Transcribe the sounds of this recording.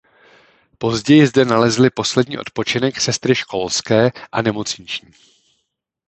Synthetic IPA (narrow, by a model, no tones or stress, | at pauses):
po̞zɟɛjɪzdɛnalɛzlɪpo̞slɛdɲḭːʔot̪̚po̞t͡ʃɪnɛksɛst̪ɾɪʃko̞lskɛːʔanɛmo̞t͡sɲɪt͡ʃɲiː